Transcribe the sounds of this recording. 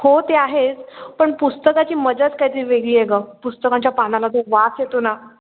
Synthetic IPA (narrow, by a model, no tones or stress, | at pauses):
hot̪eaɦet͡spəɳpust̪əkat͡ɕiːməd͡zət͡skajt̪iːɾʋeɡɭiːeɡapust̪əkãɲt͡ɕjapanalat̪oʋasjet̪ona